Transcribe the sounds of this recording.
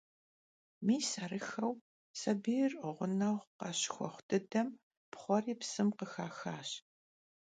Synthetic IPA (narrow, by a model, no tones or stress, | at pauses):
miːsɐrɨxɐw | sɐbiːrʔʊʁʷʊnɐʁʷqɐɕxʷɔ̰χʷtʰɨdɐm | pχʷɔriːpsɨmqəxaːxaːɕ